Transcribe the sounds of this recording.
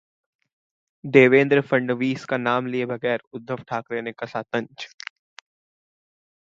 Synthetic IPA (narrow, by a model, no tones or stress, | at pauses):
d̪eːʋẽːnd̪ɾəfɐ̃ɳɖʋiːskanaːmliebʱɐɡɛːɾʊd̪ʱːəʋʈʰaːkleːnekasaːt̪ə̃ɲt͡ʃ